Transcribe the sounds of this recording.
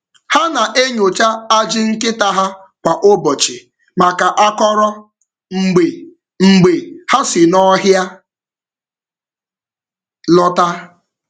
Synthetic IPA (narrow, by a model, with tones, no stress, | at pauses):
ha˦na˨ʔe˦ɲo˨t͡ʃa˦a˦d͡ʒɪ˦ŋ̩˦kɪ˦ta˦ɦa˦ | kʷa˨ʔo˦bɔ˨t͡ʃɪ˨ | ma˨ka˨ʔa˦kɔ˦ɾɔ˦ | ŋ͡m̩˨ɡ͡be˨ | ŋ͡m̩˨ɡ͡be˨ha˦sɪ˨nɔ˦ɦja˦ | lɔ˦ta˦